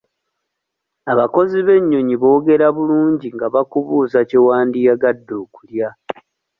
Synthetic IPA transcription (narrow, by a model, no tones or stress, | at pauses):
aβako̞ziβe̞ɲːo̞ɲiβo̞ːɡe̞ɾaβuluːɲɟiŋɡaβakuβuːzacewaːndijaɡadːoːkulja